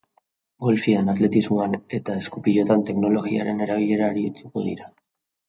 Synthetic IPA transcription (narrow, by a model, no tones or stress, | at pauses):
ɡo̞lfianat̪le̞t̪izmoane̞t̪ae̞skupiʎo̞t̪ant̪e̞kno̞lo̞ɣia̰ɾe̞ne̞ɾaβ̞iʎe̞ɾaːɾit͡sukoðḭɾa